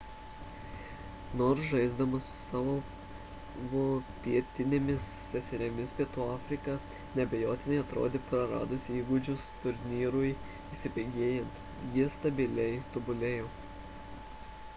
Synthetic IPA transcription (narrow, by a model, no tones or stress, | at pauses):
noːɾsʒɐɪzd̪ɐmɐsʊ̥sɑːʋoː | ʋoːpʲiɛt̪ʲɪnʲemʲɪsːʲɛsʲɛɾʲɛmʲɪspʲiɛt̪uːɑːfʲɾʲɪkɑ | nʲɛbʲɛjoːt̪ʲɪnʲɛɪɐt̪ɾo̰ːd̪ʲeːpɾɐɾɑ̰ːd̪ʊsʲiːɡʊd͡ʒʲʊst̪ʊɾʲnʲiːɾʊj | iːsʲɪpʲɛɪɡʲeːjɛnt̪ | jiɛst̪ɐbʲɪlʲɛɪt̪ɔbʊlʲeːjoː